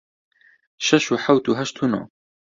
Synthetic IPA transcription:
ʃɐʃuħawt̪uɦɐʃt̪ʰuno̰

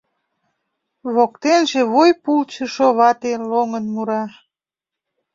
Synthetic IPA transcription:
βokt̪enʒeβojpult͡ɕəʃoβɑt̪eloŋənmuɾɑ

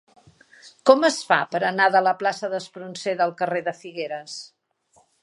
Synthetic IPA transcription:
kɔməsfa̰pəɾənaðələplasəðəspɾunseðəlˠkəreðəfiɣeɾəs

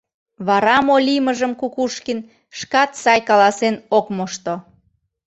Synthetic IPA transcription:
βɑɾɑmolʲiməʒəmkukuʃkin | ʃkɑt̪sɑjkɑlɑsenokmoʃt̪o

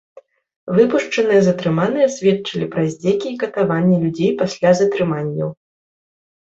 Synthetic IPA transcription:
vɨpuʂt͡ʂɐnɨjɐzɐt̪ɾɨmanɨjɛsʲvʲɛtt͡ʂɐlʲipɾɐzʲd͡zʲɛkʲiːkɐt̪avanʲːɛlʲud͡zʲejpasʲlʲazɐt̪ɾɨmanʲːɐ̰w

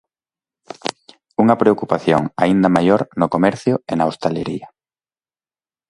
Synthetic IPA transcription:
uŋɐpɾeokupaθjoŋa̰ind̪ɐmajoɾnokomɛɾθjʊenaost̪aleɾiɐ

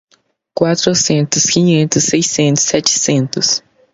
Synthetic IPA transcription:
kwat̪ɾosẽnt̪ʊskĩɲẽnt̪ʊsːejsẽnt̪ʊssɛt͡ʃɪ̥sẽnt̪ʊs

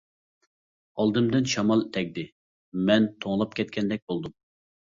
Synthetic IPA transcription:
ɑlˠd̪ɨmd̪ɨnʃɑmɑlˠt̪ʰɛkʲd̪ɪ | mɛnt̪ʰoŋlˠɑp̚kʲʰɛt̪̚kʲɛnd̪ɛk̚ʲbolˠd̪um

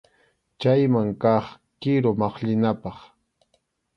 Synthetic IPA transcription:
t͡ʃajmaŋkɑχ | kɪɾomɑχʎɪnapɑχ

